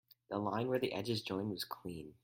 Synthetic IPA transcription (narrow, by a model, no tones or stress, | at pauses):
ðəlãɪ̃nwə˞ðiʔɛd͡ʒɨzd͡ʒɔ̃ɪ̃nd̚wʌz̥kʰl̥ĩn